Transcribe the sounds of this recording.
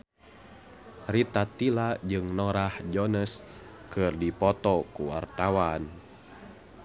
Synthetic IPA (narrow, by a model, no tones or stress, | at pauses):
rit̪at̪ilad͡ʒɨŋnɔɾahd͡ʒɔnəs | kɨrdipɔt̪ɔkuwa̰rt̪awan